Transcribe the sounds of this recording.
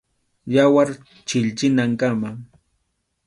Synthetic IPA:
jawaɾ | t͡ʃɪʎt͡ʃɪnaŋkama

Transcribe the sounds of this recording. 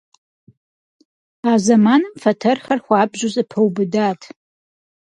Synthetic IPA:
aːzɐmaːnɨmfɐtʰɐrχɐrxʷaːbʒʊzʼɨpʰɐwbɨdaːtʰ

